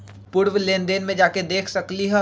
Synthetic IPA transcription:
pʊɾʋleːnd̪eːnmẽd͡ʒaːked̪eːkʰsɐkliɦɛ

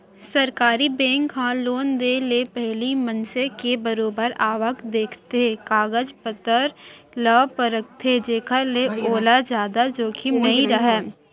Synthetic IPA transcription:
səɾkaːɾibɛ̃ːŋkɦãloːnd̪elepɛɦlimənsekebəɾoːbəɾaːʋəkd̪eːkʰt̪eɦẽkaːɡəd͡ʒpət̪əɾləpəɾək̚t̪ʰed͡ʒeːkʰaleoːlad͡ʒjaːd̪ad͡ʒoːkʰinɐɦiɾɐɦɛː

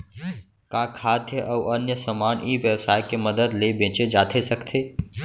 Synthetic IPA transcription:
kaːkʰaːd̪jəʔəwʔənjəsəmaːnʔiːʋjəwsaːjkeməd̪əd̪lebẽːt͡ʃed͡ʒaːt̪ʰesəkt̪ʰeː

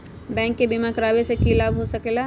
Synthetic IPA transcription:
bɛ̃ːŋkːebimakəɾaːbesekilaːbɦosɐkela

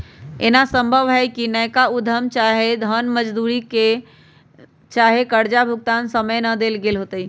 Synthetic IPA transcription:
enasə̃mbʱəʋɦɛkinəjkaud̪ʱəmt͡ʃaɦed̪ʱənməd͡ʒd̪uɾike | t͡ʃaɦekəɾd͡ʒabʱuɡ̚t̪ansəməjnəd̪elɡelɦot̪əi

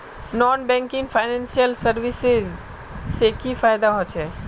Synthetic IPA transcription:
nɔːnbɛ̃ŋkɪ̃ŋɡfʰaɪnɛ̃nsijəlsəɾʋɪsɪz | sekifaːjd̪aɦot͡ʃʰɛː

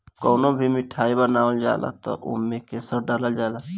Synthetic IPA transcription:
koːnobʱimɪʈʰaːibənaːəld͡ʒa̰ːla̰t̪ɔ̰ʔṵmːẽkesəb̚ɖəɾəld͡ʒaːla

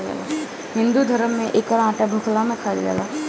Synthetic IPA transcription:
ɡɛ̰la | ɦɪ̃nd̪ud̪ʱəɾəmːẽʔekɔɾãːʈabʱʊkʰlamẽkʰaɽɡɛ̰la

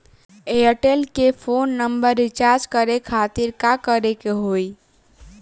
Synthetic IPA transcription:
eəʈelkepʰoːnːəmbəɾːɪt͡ʃaːɾd͡ʒkəɾekʰaːt̪iɾkakəɾekeɦoːi

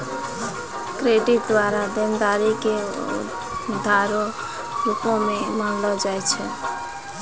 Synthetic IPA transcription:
kɾeɖit̪̚d̪waɾad̪end̪aɾikḛ | d̪ʱaɾo | ɾupõmemanlɔd͡ʒajt͡ʃʰɛ

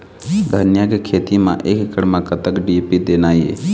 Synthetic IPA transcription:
d̪ʱənjaɡkʰeːt̪imã̰ʔeːkkəɽmãkət̪əkɖipid̪enaːjḛ

